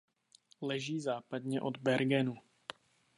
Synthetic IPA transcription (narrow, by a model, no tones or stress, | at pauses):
lɛʒiːzaːpad̪ɲɛʔo̞d̪bɛɾɡɛnu